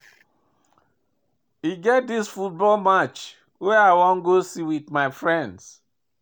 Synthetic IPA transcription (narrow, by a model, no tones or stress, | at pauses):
iɡɛt̚disfut̚bɔlmat͡ʃ | weaɪwɔ̃nɡosiwitmaɪfɹɛ̃nds